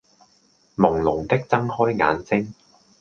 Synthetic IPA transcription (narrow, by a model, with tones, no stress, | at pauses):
mʊ˨˩ŋlʊ˨˩ŋt̪ɪ˥k̚t͡sɐ˥ŋhɔː˥jŋa̰ː˨˧nsɪ˥ŋ